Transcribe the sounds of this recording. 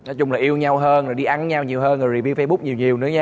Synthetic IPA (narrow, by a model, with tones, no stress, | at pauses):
nɔ˨˦t͡ɕʊ˨˧˩ŋ͡mlaː˨˩jʔi˧əwɲa˧wɦəː˧nɾo˨˩ɗi˧ʔa˨˧˦nɲa˧wɲi˨˩əwhəː˧nŋɨ˨˩zi˨˩vi˧wfə˧jɓʊ˦˥k͡p̚ɲi˨˩əwɲi˨˩əwnɨ̰˨˦ɲaː˧